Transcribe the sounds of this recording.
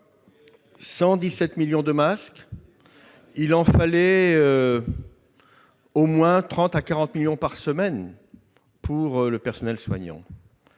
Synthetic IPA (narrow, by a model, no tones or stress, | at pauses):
sɑ̃d̪isɛt̪miljɔ̃d̪əmask | ilɑ̃falɛø | omwɛ̃t̪χɑ̃t̪akaʁɑ̃t̪miljɔ̃paʁsəmɛn | pʰuʁləpɛʁsɔnɛlswa̰ɲɑ̰̃